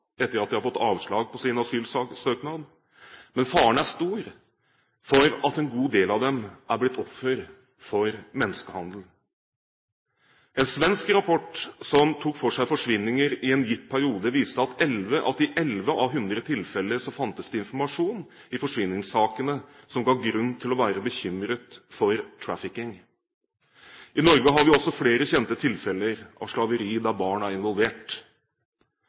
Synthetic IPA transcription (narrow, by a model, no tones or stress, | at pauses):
ɛt̪ːəɾɑt̪d̪ɛɪhɑɾfɔt̪ːɑːʋʂɭɑːɡ̚pɔsɪnɑsyːlsøːknɑːd̪ | mɛnfɑːəɳæʂt̪uːɾ | fɔɾɑt̪ɛnɡuːd̪eːlɑʋd̪ɛmʔæɾblɪt̪ːɔffəɾ | fɔɾmɛnːəskəhɑnd̪l̩ | ɛnsʋɛnskɾɑpʰɔʈːsɔmt̪ʰuːkfɔʂæɪfɔʂʋɪnːɪŋəɾɪɛnjɪt̪ːpʰæɾɪuːd̪əʋiːst̪əɑt̪ɛlʋəʔɑt̪ɪʔɛlʋəʔɑʋɦʉnd̪ɾət̪ʰɪlfɛlːəɾʂɔmfɑnt̪əsd̪əɪnfɔmɑʂuːn | ɪfɔʂʋɪnːɪŋsɑːkənəsɔmɡɑːɡɾʉnːt̪ʰɪlɔʋæːɾəbəçʏmɾət̪fɔɾt̪ʰɹæfɪkɪŋ | ʔɪnɔɾɡəɦɑɾʋɪɔsːɔfleːɾəçɛnt̪ət̪ʰɪlfɛləɾʔɑ̰ʋʂlɑʋəɾiːd̪ɑbɑːɳæɾɪnʋɔlʋeːʈ